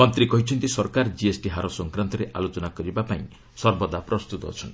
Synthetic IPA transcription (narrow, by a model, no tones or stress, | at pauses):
mɔnt̪ɾikɔɦit͡ʃʰɔnt̪isɔɾkaɾd͡ʒiesʈiɦaɾɔsɔŋkɾant̪ɔɾeʔalot͡ʃɔnakɔɾibapaĩ | sɔɾbɔd̪apɾɔst̪ut̪ɔ̰ːt͡ʃʰɔn